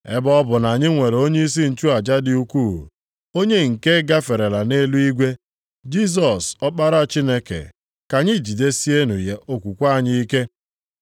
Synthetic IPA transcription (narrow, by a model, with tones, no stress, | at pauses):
ḛ˦bɔ˦bʊ˨na˨ɲɪ˦ŋʷe˨ɾe˨o˦ɲe˦i˦s̬i˦n̩˨t͡ʃu˦a˨d͡ʒa˦dɪ˨u˦ku˦˨ | o˦ɲe˦ŋ̩˨ke˦ɡa˦fe˨ɾe˨la˨ne˦lu˦i˦ɡʷe˦ | d͡ʒi˦s̬ɔ˨sɔ˦k͡pa˦ɾa˦˨t͡ʃi˦ne˦kḛ˨ | ka˨ɲɪ˦d͡ʒi˨de˦si˦e˦nṵ˨je˨ʔo˦kʷu˨kʷa˦˨ɲɪ˦i˦ke˦